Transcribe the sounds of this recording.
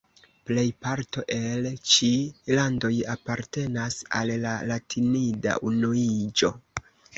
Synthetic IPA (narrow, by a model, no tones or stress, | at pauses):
ple̞jpaɾto̞ʔe̞lt͡ʃilando̞japaɾte̞nasa̰lːalatʰinida̰ʔunuid͡ʒo̞